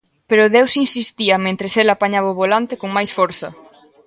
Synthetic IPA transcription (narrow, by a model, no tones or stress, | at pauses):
peɾʊðewsinsist̪iɐmẽnt̪ɾeselapaɲaβ̞aʊβolant̪ekoŋmajsfɔɾθɐ̰